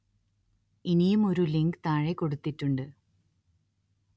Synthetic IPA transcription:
inijumo̞ɾuliŋɡɨt̪aːɻekːo̞ɽut̪ːitːuɳɖɨ

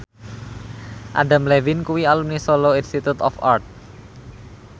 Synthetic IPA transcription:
ʔa̰ɖa̤mlewinkuwialumnisoloinst̪it̪ut̪ɔ̰fa̰rt̪̚

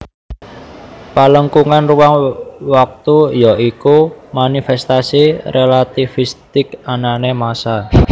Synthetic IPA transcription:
paləŋkuŋanruwaŋwak̚t̪ujɔʔikumanifɛst̪asirʔelat̪ifist̪ɪkananemasa

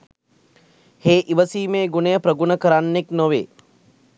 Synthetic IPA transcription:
heːʔiʋəsiːmeːɡunejəpɾəɡunəkəɾanːeknoʋḛː

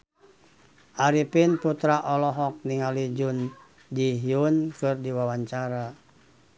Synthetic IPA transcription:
ʔaɾipinput̪ɾaʔɔlɔɦɔk̚niŋalid͡ʒun | d͡ʒiɦiunkɨrdiwawaɲt͡ʃaɾa

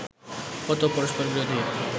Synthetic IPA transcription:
pɔt̪opɔɾoʃpoɾbiɾod̪ʱi

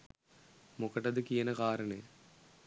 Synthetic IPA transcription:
mukɐʈɐd̪ɯkijɐnɐkaːɾɐɳeː

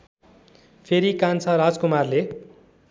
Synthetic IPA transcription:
pʰeɾikant͡sʰʌɾad͡zkumarle

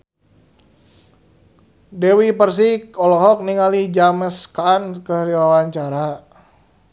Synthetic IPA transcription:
dɛwipərs̬ikɔlɔɦɔk̚niŋalid͡ʒaməskaːnkəɾiwawaɲt͡ʃaɾa

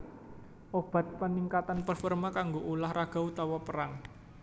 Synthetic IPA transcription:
ʔob̥a̤t̪̚pəniŋkat̪anpərfɔrmakaŋɡoʔulahɾaɡ̥a̤ut̪awɔpəɾaŋ

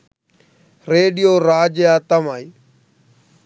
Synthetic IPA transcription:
ɾeːɖijoːɾaːd͡ʒjaːt̪əmaːiː

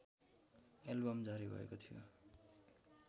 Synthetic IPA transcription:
elbʌmd͡zaɾibʱʌ̰ḛkot̪ʰijo̰

